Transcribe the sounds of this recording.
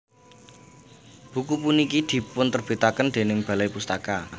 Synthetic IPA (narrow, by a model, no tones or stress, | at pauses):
b̥ukupunikid̪̥i̤pʊnt̪ərb̥i̤t̪akənd̪̥e̤nɪŋb̥ä̤lajpust̪aka